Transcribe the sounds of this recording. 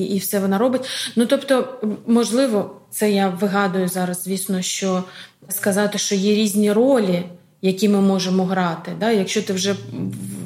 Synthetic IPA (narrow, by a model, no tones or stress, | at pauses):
iwsɛʋɔnɑɾɔbɪtʲnut̪ɔpt̪ɔmɔʒlˠɪʋɔt̪sɛjaʋɪɦɑd̪ʊjʊzɑɾɐzzʲʋʲisnɔʃt͡ʃɔ | skɐzɑt̪ɪʃt͡ʃɔjɛɾʲizʲnʲiɾolʲi | jɐkʲimɪmɔʒemɔɦɾɑt̪ɪd̪ɑjɐkʃt͡ʃɔt̪ɪwʒɛ